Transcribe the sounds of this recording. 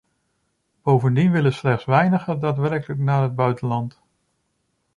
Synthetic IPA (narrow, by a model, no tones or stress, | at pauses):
b̥owvəndinʋɪləslɛχtsʋɛjnəχədaːtʋɛrɹkələknaːɦəd̚bœɥtənlɑnt